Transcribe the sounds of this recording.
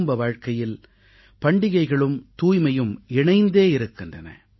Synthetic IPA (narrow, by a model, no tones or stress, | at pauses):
mbɐʋaːɻkɐjɪl | pɐɳɖɪɣɐɪɣɐɭɯmt̪uːjmɐjɯmɪɳɐɪnd̪eːɪɾɯkːɪndrɐnɐ̰